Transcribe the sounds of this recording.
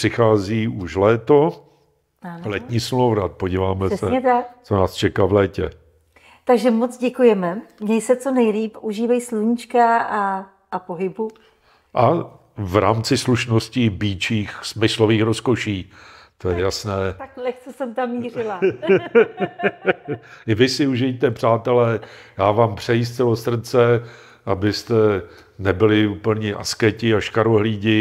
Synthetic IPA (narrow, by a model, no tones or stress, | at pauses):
r̥ɪxaːziːuʃlɛːt̪o̞ | anlɛt̪ɲiːsmlowɾat̪̚poɟiːvaːmɛɛsɛɲɛt̪akt͡sonaːst͡ʃɛkavlɛːcɛ̰ | t̪aɡʒɛmot͡sɟɛkujɛmɛɲɛjsɛt͡so̞nɛjliːpʔuʒiːvajsluɲit͡ʃkaʔa | ʔapoɦɪbu | ʔa | vɾa̰ːmt͡sɪsluʃnoscɪbiːt͡ʃiːxsmɪsloviːxɾoskoʃiː | t̪ojɛjasnɛːt̪aklɛxt͡sɛsɛmt̪amːiːrɪla | ɪvɪsɪuʒɪt̪ɛpr̝̥aːt̪ɛlɛjaːvaːmpr̝̥ɛjiːs̬t̪t͡sɛlosr̩t͡sɛ | ʔabɪst̪ɛ | nɛbɪlɪuːpl̩ɲɛʔa̰skɛcɪaʃkaɾoɦliːɟɪ